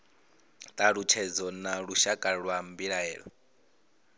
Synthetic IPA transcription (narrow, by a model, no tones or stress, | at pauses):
t̪ʼaɺut͡ʃʰɛd͡zɔnaɺuʃakʼaɺwambiɺaɛ̰ːɺɔ̰